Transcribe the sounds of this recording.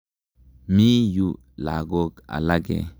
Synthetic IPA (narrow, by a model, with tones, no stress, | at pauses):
mi˦ju˦ | la̰˨ɡo˦ka̰˨la˦ɡḛ˨